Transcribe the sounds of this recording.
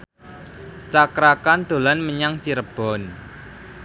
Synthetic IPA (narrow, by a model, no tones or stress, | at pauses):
t͡ʃakɾakand̪̥o̤lanməɲaŋt͡ʃiɾəb̥ɔ̤n